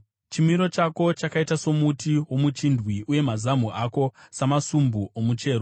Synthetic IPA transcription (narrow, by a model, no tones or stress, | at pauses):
t͡ʃimiɾo̞t͡ʃako̞t͡ʃakaitaso̞mutiwo̞mut͡ʃindwiʔuje̞mazamuʔako̞samasumbuʔomut͡ʃe̞ːɾo